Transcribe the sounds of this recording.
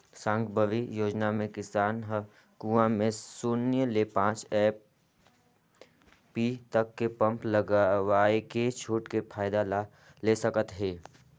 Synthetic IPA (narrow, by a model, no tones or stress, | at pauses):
sãːŋɡbʱəʋijoːd͡ʒnamẽkɪsaːnɦə | kuamẽsʊnjəlepãːt͡ʃɛː | pit̪ɐkːepə̃mpləɡaʋaːeket͡ʃʰuːʈkepʰaːɪd̪ala | lesəkət̪ɦeː